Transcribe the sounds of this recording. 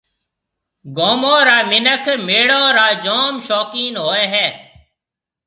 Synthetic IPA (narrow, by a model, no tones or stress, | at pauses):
ɡoːmõːɾaːmɪnəkʰmeːɽoːɾaːd͡ʒoːmʃoːkiːnɦoːeːɦɛː